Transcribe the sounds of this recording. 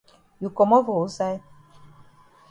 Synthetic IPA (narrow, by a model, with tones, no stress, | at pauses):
ju˨kɔ˨mɔ˦vɔ˨u˦sa˦j